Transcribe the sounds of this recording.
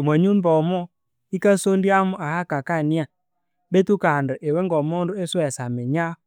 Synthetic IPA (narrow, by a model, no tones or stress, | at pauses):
maɲunbɔmɔ | ikasondiamʊʔahakakania | betukandəʔewɛŋɡɔmɔndʊesɔɛsamɛɲa